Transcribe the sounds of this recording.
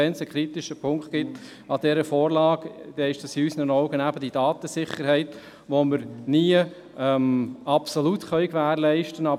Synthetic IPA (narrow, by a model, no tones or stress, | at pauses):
ɛnsəkχɾit̪ɪʃəpʰʊŋktɡ̥ɪt̪ | ɑd̪̥ɛɾəfɔːɾlɑːɡd̥̪ɛɪʃd̥ɑsiysənənɔʊɡənæbəd̥id̥ɑːt̪əsɪχəɾhɛɪt̪ | ʋoməɾniə | ɛmɑpsɔlut̪χœʏkʋæːɾlɛɪʃtənɑ